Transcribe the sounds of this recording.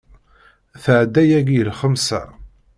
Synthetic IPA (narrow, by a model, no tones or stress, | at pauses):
θəʕd̪ːæjæɡjəlχəmsæ̰